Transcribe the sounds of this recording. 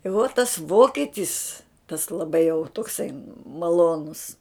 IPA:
ɪ ʋoː tɐs ˈʋoːkʲɛtʲɪs tɐs lˠɐˈbɐɪ jɛʊ toːkˈsɐɪ mɐˈlˠoːnʊs

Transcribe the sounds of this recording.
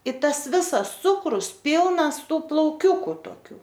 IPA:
ɪ ˈtɐs ˈʋʲɪsɐs ˈt͡sʊkrʊs ˈpʲiːlˠnɐs ˈtuː plˠɐʊˈkʲʊkʊ toːˈkʲuː

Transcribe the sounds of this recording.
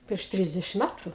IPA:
pʲrʲiɛʃ ˈtʲrʲɪzʲdʲɛʃʲɪm ˈmʲætʊ

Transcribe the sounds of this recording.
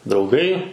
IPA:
drɐʊˈɡɐɪ

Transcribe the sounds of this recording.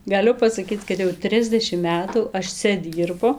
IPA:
ɡɐˈlʲʊ pɐsɐˈkʲiːt͡s kɐt jɛʊ ˈtʲrʲɪzʲdʲɛʃʲɪm ˈmʲæːtuː ˈɐʃ ˈt͡sʲɛ ˈdʲiːrbʊ

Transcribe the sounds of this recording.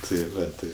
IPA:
tɐɪ ˈʋɐ ˈtɐɪ

